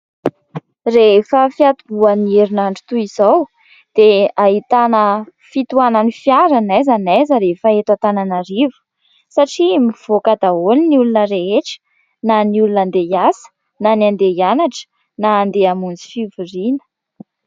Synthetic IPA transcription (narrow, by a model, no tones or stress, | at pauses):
refəfiat̪ubuanieɾinaɳɖ͡ʐu̥t̪uizaw | d̪̥eaɦit̪anəfit̪uananifjaɾanajzanɛzəɾefəet̪at̪ananaɾivu̥ | saʈ͡ʂimiv̥okad̪aoliniulunəɾeɦeʈ͡ʂə̥ | naniulunand̪ejasə̥ | nanand̪ejanaʈ͡ʂə̥ | naːnd̪eamund͡zi̥fivurinə̥